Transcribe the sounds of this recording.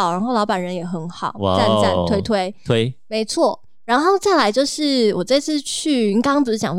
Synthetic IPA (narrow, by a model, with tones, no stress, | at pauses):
ɻa˨˧˥nxo˥˩ʊlɑ˧˥ʊpa˨˩nɻə˧˦njɛ˨˩xə˧˥nxɑ˨˩˦ʊ˥a˥˧nt͡sa̰˥˨˩t̪ʰwe˥ɪt̪ʰwe˥ɪwe˦˥ɪme˧˥ɪt͡sʰwɔ˥˩ | ɻa˧˥nxo˥˩ʊt͡sa˥˩ɪla˧˥ɪt͡ɕjo˥˧ʊʂɻ̩˥˩wɔ˨˩t͡sa˥˧ɪt͡sʰɹ̩˥˧t͡ɕʰy˥˩y˧˥ŋkɑ˥ŋt͡sɹ̩˧˥t͡ɕjɑ˨˩ŋ